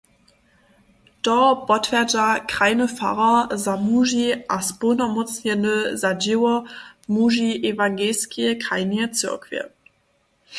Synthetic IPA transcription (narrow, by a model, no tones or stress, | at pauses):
d̥ɔb̥ɔtv̥ɛɐdakʁ̥aɪnəfa̰ʁɐzamuːʒiʔasponɐmɔt͡sənəzadewɐmuʒiʔevaŋɡeːlskʰiəkʁaɪniət͡sʏɐkv̥ə̰